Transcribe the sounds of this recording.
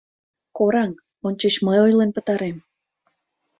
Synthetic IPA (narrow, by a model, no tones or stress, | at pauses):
koɾɑŋ | onʲt͡ɕət͡ɕməjojlenpə̆t̪ɑɾem